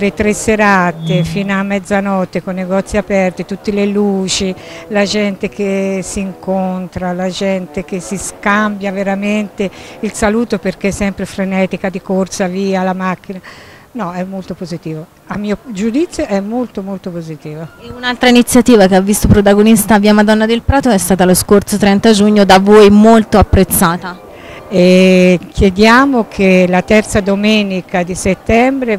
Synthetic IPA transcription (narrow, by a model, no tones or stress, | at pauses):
let̪ɾesːeɾat̪efiːnamːɛd̪zːanɔt̪ːekonːeɡɔt̪sːiapɛrt̪it̪ut̪ːeleluːt͡ʃilad͡ʒɛnt̪ek̟esːiːŋkont̪ɾalad͡ʒɛnt̪ek̟esiskambjaveɾament̪eilsaluːt̪operk̟esɛmpɾefɾenɛt̪ikad̪ikorsaviːalamakːina | nɔɛmːolt̪opozit̪iːvo | amːiːod͡ʒud̪it̪sːjoʔɛmːolt̪omolt̪opozit̪iːvoeunalt̪ɾainit̪sːjat̪iːvakeavːist̪opɾot̪aɡonist̪aviːamad̪ɔnːad̪elpɾaːt̪oɛst̪aːt̪aloskort̪sot̪ɾɛnt̪ad͡ʒuɲːod̪avojmolt̪oapːɾet̪sːaːt̪a | ekʰjed̪jaːmokʰelat̪ɛrt̪sad̪omɛnikad̪iset̪ːɛmbɾe